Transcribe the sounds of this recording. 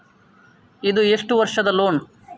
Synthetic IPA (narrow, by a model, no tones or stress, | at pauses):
id̪ueʂʈuʋɐɾʂɐd̪ɐloːn